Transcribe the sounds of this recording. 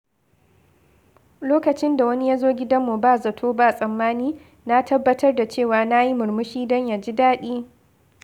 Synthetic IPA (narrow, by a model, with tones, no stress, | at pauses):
loː˦kɐ˨t͡ʃɪ˦nda˨wɐ˦ni˦jaː˦zoː˦ɡʲɪ˦dɐ˦mːu˨baː˦˨zɐ˨tʰoː˦ba˦˨sʼɐ˨mːaː˦niː˦ | na˦tʰɐ˦bːɐ˦tʰɐ˦rda˨t͡ʃeː˦˨waː˨na˦ji˦mʊ˨ɾmʊ˦ʃiː˦dɔ˦ɲja˨d͡ʒi˦daː˦ɗiː˦